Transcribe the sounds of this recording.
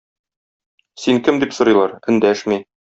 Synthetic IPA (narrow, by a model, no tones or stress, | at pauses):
siŋkɘmd̪ipsŏɾɤ̆jlˠɑɾɘ̆nd̪æʃmi